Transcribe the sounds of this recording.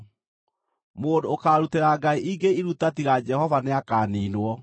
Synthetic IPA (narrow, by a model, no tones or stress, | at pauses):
moːdoːkaːɾuteɾaːɡaiʔiɡeiɾutatiɾad͡ʒɛhɔvaneakaːninwɔ